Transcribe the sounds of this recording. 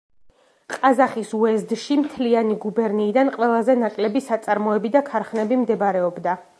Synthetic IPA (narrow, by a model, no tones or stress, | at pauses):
qʼazaχisuɛzd̪ʃimt̪ʰlianiɡubɛɾniːd̪anqʼwɛlˠazɛnakʼlɛbisat̪sʼaɾmɔɛbid̪akʰaɾχnɛbimd̪ɛbɾɛɔbd̪a